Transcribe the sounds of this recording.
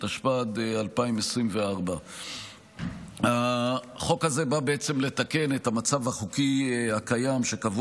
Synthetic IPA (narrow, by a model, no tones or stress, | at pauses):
taʃpad̪ealpaimesʁimveaʁba | a | χo̞khaze̞babe̞et͡se̞mle̞t̪ake̞ne̞thamat͡savaχukihakajamʃekavu